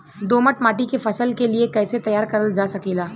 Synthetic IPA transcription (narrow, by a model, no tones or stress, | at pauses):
d̪oːməʈmaːʈikefʰɐsəlkeliekɛːset̪ɐjaːɾkɐɾəld͡ʒaːsɐkiːlaː